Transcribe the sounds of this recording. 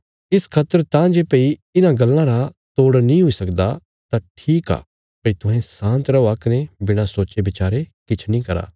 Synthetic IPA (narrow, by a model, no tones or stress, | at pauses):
ɪskʰat̪əɾt̪ãd͡ʒeːpeiɪnãɡɐlːãɾat̪oːɽnĩɦoisɐkd̪a | t̪aʈʰiːka̰ː | pəit̪ʊɦẽsãːnt̪ɾɐoaknebɪɽ̃ãsoːt͡ʃebɪt͡ʃaːɾekɪt͡ʃʰnĩːkɐɾa̰ː